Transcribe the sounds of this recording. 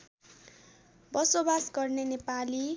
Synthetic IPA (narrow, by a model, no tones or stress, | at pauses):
bʌsobasɡʌrnenepali